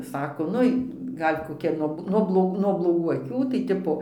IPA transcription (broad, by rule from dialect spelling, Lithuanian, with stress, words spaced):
ˈsɑːkoː ˈnʊɪ ˈɡɐlʲ koːˈkʲɛ nuɔ nuɔ blˠoːˈk nuɔ blˠoːˈɡuː ɐˈkʲuː tɐɪ ˈtʲɪpoː